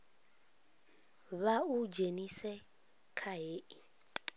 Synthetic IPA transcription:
βaud͡ʒenisɛ | kʰaɦeːʔi

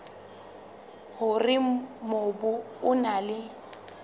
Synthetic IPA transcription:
hʊrɪmobʊ | ʊnalɪ

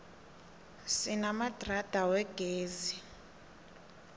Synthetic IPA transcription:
sinamad̥ʱrad̥ʱawɛɡ̥ʱeːzi

